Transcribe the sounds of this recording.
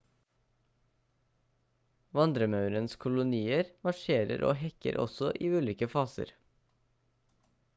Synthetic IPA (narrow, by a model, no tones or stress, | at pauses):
ʋɑnd̪ɾəmɑʉɾənskʰʊlʊniːəɾmɑʃeːɾə̰ɾʔo̰ːhɛkə̰ɾʔɔ̰sɔʔiːʉːliːkəfɑːsə̰ɾ